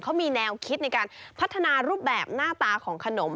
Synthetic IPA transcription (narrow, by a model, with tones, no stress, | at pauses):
kʰa˦˥wmiː˧nɛː˧wkʰi˦˥t̪̚na˧jkaː˧npʰa˦˥t̪ʰːa˧naː˧ɾuː˥˩p̚bɛː˨˩p̚naː˥˩t̪aː˧kʰɔː˩˦ŋkʰa˧no˩˦m